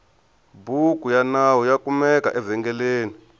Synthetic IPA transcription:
bukʼujanawɔjakumɛka̰ʔɛvɛŋɡɛleːni

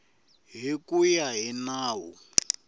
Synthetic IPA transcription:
ɦikʼujaɦinaːwṵ

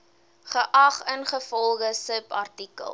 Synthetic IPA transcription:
χəʔɐχənχəfɔlˠχəsəpɐrtikə̰lˠ

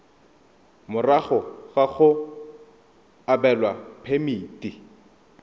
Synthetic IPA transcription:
mʊraχɔɣaχʊ | abɛlwapʰemiːti

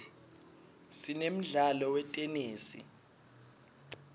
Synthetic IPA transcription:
sinem̩ɮalɔwɛtʼɛneːsḭ

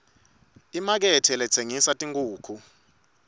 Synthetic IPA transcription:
imak̬ɛtʰɛlɛt͡sʰeŋisatʼiŋɡuːkʰu

